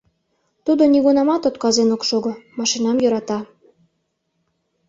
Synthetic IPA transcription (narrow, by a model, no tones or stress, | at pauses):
t̪ud̪oniɣunɑmɑt̪ot̪kɑzenokʃoɣomɑʃinɑmjɤɾɑt̪ɑ